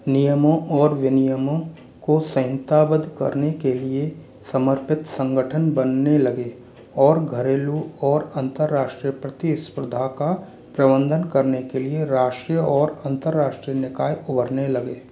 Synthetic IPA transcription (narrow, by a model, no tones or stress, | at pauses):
nijəmõʔɔːɾʋɪnijəmõ | kosɐ̃ɦnt̪aːbəd̪ʱkɐ̰ɾnekelie | səməɾpɪt̪sə̃ŋɡəʈʰənbənːelɐɡe | ɔːɾɡʱəɾeːluɔːɾə̃nt̪əɾːaːʃʈɾijəpɾət̪ispɾʊd̪ʱaka | pɾəbə̃nd̪ʱənkəɾnekelieɾaːʃʈɾijəɔːɾɐ̃nt̪əɾːaːʃʈɾijənɪkaːjʊbəɾnelɐɡeː